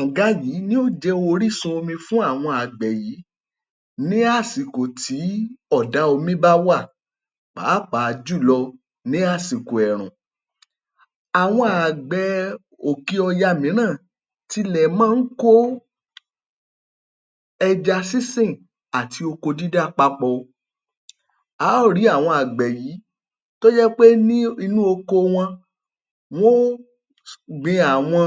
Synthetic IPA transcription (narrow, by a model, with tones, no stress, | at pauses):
ã˨ɡa˨˦ji˨˦nĩ˦o˦˨d͡ʒɛ˦o˧o˧ɾi˦sũ˧o˧mĩ˧fũ˦a˦˨w̃ɔ̃˧a˨ɡ͡bɛ˨ji˨˦ | nĩ˦a˦˨si˨ko˨tʰi˨˦ɔ˦˨da˨˦o˧mĩ˦ba˦wa˦˨ | k͡pa̰ː˨˦˨k͡pa˨˧d͡ʒu˦˨lɔ˧ | nĩ˨˦a˦˨si˨ko˨ɛ˨ɾ̃ṵ̃˨ | a˨w̃ɔ̃˧a˨ɡ͡bɛ˨˧ | o˨ki˦ɔ˧ja˧mĩ˨˦ñãː˦˨ | ti˧lɛ˨mãː˦n̩˦ko˦ | ɛ˧d͡ʒa˧si˦sĩ˦˨ | a˨tʰi˧o˧ko˧di˦da˦˨k͡pa˧k͡pɔ˧ | a˨˦˨ɾi˨˦a˦˨w̃ɔ̃˧a˨ɡ͡bɛ˨jiː˨˦ | to˦d͡ʒɛ˦k͡pe˦nĩ˦i˧nũ˦o˧ko˧w̃ɔ̃˧ | w̃o˦ | ɡ͡bĩ˧a˨w̃ɔ̃˧